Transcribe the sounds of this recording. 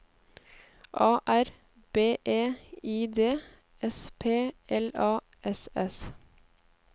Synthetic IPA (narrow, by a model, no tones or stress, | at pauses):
ʔɑːʔæɾ | b̥eːʔeːiːd̪eː | ɛspʰeːɛlɑː | ɛsɛs